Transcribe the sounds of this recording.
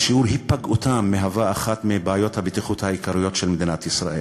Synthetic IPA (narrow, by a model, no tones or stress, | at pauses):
ʃiuʁɦipːaɡutamːeɦavaːχat̪mibaːjo̞t̪habet̪iχut̪haikaʁijo̞t̪ʃelmed̪inat̪isʁa̰ʔel